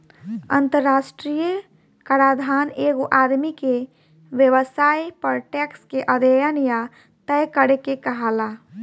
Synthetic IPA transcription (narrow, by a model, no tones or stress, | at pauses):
ə̰nt̪əɾːasʈɾijə | kəɾad̪ʱaneɡoʔad̪mike | ʋjəʋəsajpəɾʈɛkskeʔəd̪əjənja | t̪əjkəɾekekəɦala